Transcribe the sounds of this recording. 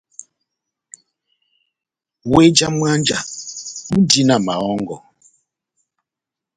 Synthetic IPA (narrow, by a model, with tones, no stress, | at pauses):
we˦d͡ʒa˦mwa˦nd͡ʒa˨m̩˦di˦na˨ma˨ɔ˦ŋɡɔ˨